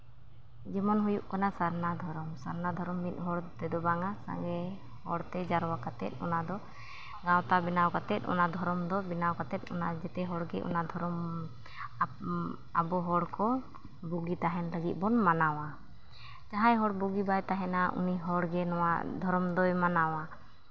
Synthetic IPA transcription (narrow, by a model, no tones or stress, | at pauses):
d͡ʒɛmɔnɦujuʔkanasaɾnad̪ʱɔɾɔmsaɾnad̪ʱɔɾɔmːit̪̚ˀɦɔɽt̪ɛd̪ɔbaŋasa̰ŋɡɛ | hɔɽt̪ɛd͡ʒaɾwakat̪ɛ̰t̪̚ˀɔ̰nad̪ɔ | ɡãwt̪abinawkat̪ɛt̪̚ˀɔ̰nad̪ʱɔɾɔmd̪ɔbinawkat̪ɛt̪̚ˀɔ̰nad͡ʒɛt̪ɛɦɔɽɡɛʔɔ̰nad̪ʱɔɾɔm | abɔɦɔɽkɔ | buɡit̪aɦɛnɾəɡit̪̚ˀbɔnmanawa | t̪aɦajɦɔɽbuɡibajt̪aɦɛnaʔṵniɦɔɽɡɛnɔwa̰d̪ʱɔɾɔmd̪ɔjmanawa